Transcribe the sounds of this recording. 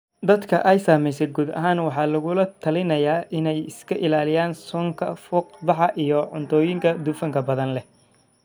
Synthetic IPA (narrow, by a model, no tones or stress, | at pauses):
d̪ɐd̪kʰɐ̰ʔɛjsaːmɛjsɛɡuːd̪ɐ̰ɦaːnwɑħɑːlɐɣʊlɐt̪ʰɐlɪnɐjaːʔɪnɛjɪskʰɐʔɪlaːlɪjaːnsɔːŋkʰɐfʊːqbɑħɑʔijɔʕʊnt̪ʰɔːjɪŋkʰɐd̪ʊfɐŋkʰɐbɐðɐnlɛ